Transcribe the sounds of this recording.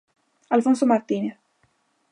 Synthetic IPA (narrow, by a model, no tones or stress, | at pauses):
alfonsomaɾt̪ineθ